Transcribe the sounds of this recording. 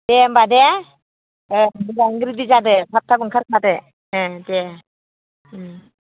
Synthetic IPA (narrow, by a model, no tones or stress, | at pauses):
d̥embade | mɯɡaŋɡɾidizadɯpʰap̚t̪ʰabɯŋkʰaɾpadɯ | de